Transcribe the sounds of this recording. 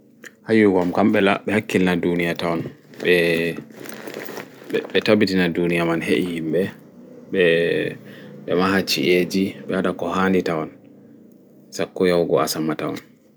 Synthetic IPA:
hajuɡɔmkamɓɛla̰ɓɛhakːilnadunijatawɔnɓɛ | ɓɛtabitinadunijamanhḛʔihimbɛ | ɓɛ | ɓɛmaɦat͡ʃḭʔed͡ʒiɓɛhadakɔhanditawɔn | sakːɔjawɡɔa̰samatawɔ̰n

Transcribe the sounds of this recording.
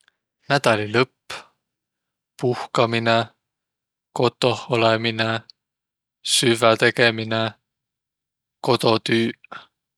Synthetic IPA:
næd̪̥ɑlilɤpː | puhkɑmine | ko̞t̪ːˑoholemine | syvæt̪e̞kemine | ko̞t̪o̞t̪yː

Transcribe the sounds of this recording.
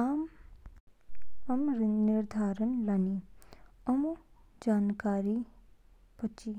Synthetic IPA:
aːm | ɐmɾniɾd̪ʱaːɾənlani | ɐm | d͡ʒaːnkaːɾi | pət͡ʃi

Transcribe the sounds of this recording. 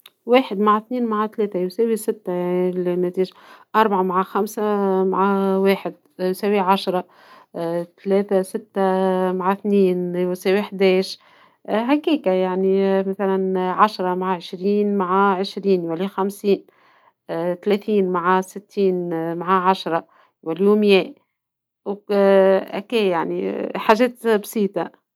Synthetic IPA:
weːħɪd̪maʕaθniːnmaʕat̪lɛːθajusæːwisɪt̪ːalinæt̪iːʒʔɑɾˤbaʕamaʕaxamsamaʕaweːħɪd̪̚ | jusæwiʕaʃɾˤɑ | t̪lɛːθasɪt̪ːamaʕaθniːnjsæːwiħd̪ɛːʃ | ɦakiːkajaʕnimæθælænʕaʃɾˤɑmaʕaʕɪʃɾiːnmaʕaʕɪʃɾiːnwælixamsiːn | t̪alɛθiːnmaʕasɪt̪ːiːnmaʕaʕaʃɾˤɑ | wæljuːmjɛː | w | ʔækeːjaʕnḭħaːʒɛːt̪bsiːt̪a

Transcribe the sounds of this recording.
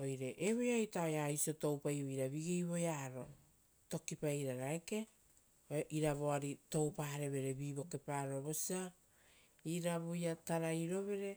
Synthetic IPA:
o̞jɾe̞ʔeβojajtaojajsioto̞wpajoijɾaβiɡijβo̞jaːɾo̞ | to̞kipajɾaɾaeke̞ | oʔiɾaβo̞aɾito̞wpaːɾe̞βe̞ɾe̞βiːβo̞ke̞paːɾo̞βo̞sia | iɾaβojataɾajɾo̞βe̞ɾe̞

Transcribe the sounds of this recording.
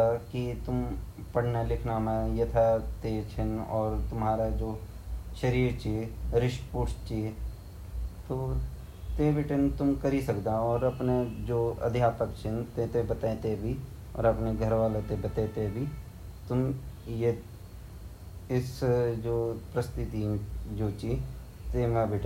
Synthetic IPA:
akit̪ʊm | pɐɽ̤nalɪkʰnamãjɐt̪ʰat̪eːt͡ʃʰɪnɔːɾt̪ʊmɦaːɾad͡ʒoː | ʃɐɾiːɾt͡ʃeːɾɪʃpʊʈt͡ʃeː | t̪oː | t̪eːʋɪʈent̪ʊmkɐɾisɐkd̪aɔːɾɐpned͡ʒoːɐ̰d̪ʱjaːpəkt͡ʃʰɪnt̪ẽːt̪ebət̪ẽt̪ebʱi | ɔ̰ːɾɐpneɡʱəɾʋaːlet̪ebət̪et̪ebʱi | t̪ʊmje | ɪsd͡ʒoːpɾəst̪ɪt̪id͡ʒoːt͡ʃi | t̪eːmãbɪʈʰ

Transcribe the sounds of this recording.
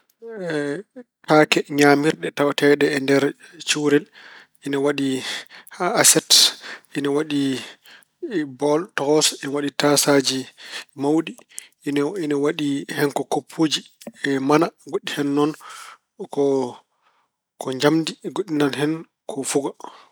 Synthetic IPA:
ɛtaːkɛɲamiɾɗɛtawtɛɗɛːndɛɾt͡ʃuwɾɛl | inawaɗihaasɛtʔinawaɗi | bɔltɔɡɔsinawaɗitasad͡ʒimawɗi | ninawaɗihɛnkɔkopʰːod͡ʒiɛmanaɡoɗːihɛnːɔn | kɔ | kʰɔɲd͡ʒamdiɡoɗːinalhɛn | kʰɔfuɡa

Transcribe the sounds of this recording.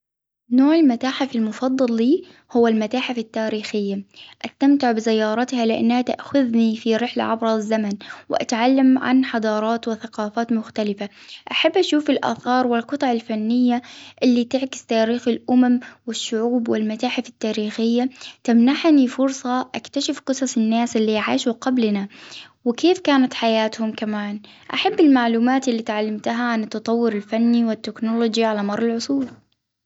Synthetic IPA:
noːʕɪlmat̪aːħɪfɪlmʊfɑd̪ˤːɑlːiː | hʊwːalmat̪aːħafɪt̪ːaːɾiːxɪjːaʔast̪amt̪ɪʕbɪsɪjːɑːɾˤɑt̪halɪʔa̰nːhat̪aʔxʊðnifiɾɪħla̰ʕabɾˤɑzːamanwɪʔa̰t̪ʕalːamʕa̰nħɑd̪ˤɑːɾˤɑːt̪wɪθaqɑːfaːt̪mʊxt̪alɪfaʔaħabːʔaʃuːfɪlʔa̰ːθɑːɾˤwɪlqɨt̪ˤɑʕɪlfanːɪjːaʔɪlːit̪ɪʕkɪ̥st̪aːɾiːxɪlʔʊmamwɪʃːʊʕuːbwɪlmat̪aːħɪfɪ̥t̪ːaːɾiːxɪjːat̪amnaħnifʊɾsˤɑʔakt̪aʃɪfqɨsˤɑsˤɪnːaːsɪlːiʕaːʃuqablna | wɪkeːfkaːnat̪ħajaːt̪hʊmkamaːn | ʔaħabːɪlmaʕluːmaːt̪ɪlːiːt̪ʕalːamt̪aɦaʕanɪt̪ːɑt̪ˤɑwːʊɾɪlfanːiwɪt̪ːɪknolod͡ʒiʕalamɑɾˤːɑlʕʊsˤuːl

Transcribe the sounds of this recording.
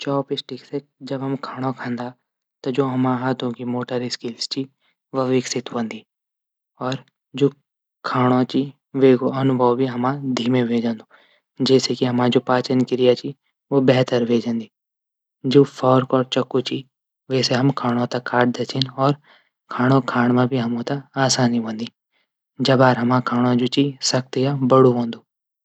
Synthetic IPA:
t͡ʃɔːpɪsʈɪksed͡ʒɐbɦɐmkʰaːɽ̃okʰãːnd̪a | t̪ɐd͡ʒoːɦɐmãɦaːt̪õkimoːʈəɾiskɪlst͡ʃi | ʋɐʋɪksɪt̪ɦõːnd̪iː | ɔːɾ | d͡ʒoː | kʰaːɽ̃õt͡ʃi | ʋeːɡoɐnʊbʱəwbʱiɦɐmãd̪ʱiːmẽʋʱeːd͡ʒãːnd̪o | d͡ʒɛːsekiɦɐmãd͡ʒoːpaːt͡ʃənkɪɾɪjat͡ʃi | ʋoːbɛɦt̪əɾʋʱeːd͡ʒãːnd̪iː | d͡ʒoːpʰɔːɾkɔːɾt͡ʃəkːut͡ʃi | ʋɛːseɦɐmkʰaːɽ̃õt̪akʰːaːʈ̚d̪et͡ʃʰɪnɔːɾ | kʰaːɽ̃okʰaːɽ̃mãbʱiɦɐmõt̪aaːsaːniɦõːnd̪iː | d͡ʒɐbaːɾɦɐmãkʰaːɽ̃õd͡ʒoːt͡ʃisɐk̚t̪ijabəɽuɦõːnd̪uː

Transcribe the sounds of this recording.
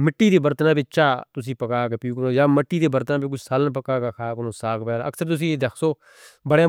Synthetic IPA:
mɪʈːiːd̪eːbəɾt̪nãːbɪt͡ʃaːt̪ʊs̬ĩːpəkaːkeːpiuːkənoːjaːməʈːiːd̪eːbəɾt̪nãːpikʊt͡ʃʰsaːlənpəkːaːkakʰaːkənõːsaːkpɛːnaə̰ksəɾt̪ʊs̬ĩːd̪ekʰsoː | bəɽeː

